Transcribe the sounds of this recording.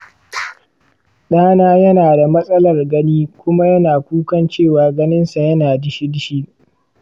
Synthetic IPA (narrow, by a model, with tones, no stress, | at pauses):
ɗaː˦naː˦jɐ˦naː˨da˨mɐ˦sʼɐ˦lɐ˨rɡɐ˦niː˦kʷʊ˦ma˦jɐ˦naː˨kʷuː˦kɐ˦nt͡ʃeː˦˨waː˨ɡɐ˦nɪ˦nsa˨jɐ˦naː˨dɪ˦ʃi˦dɪ˦ʃi˦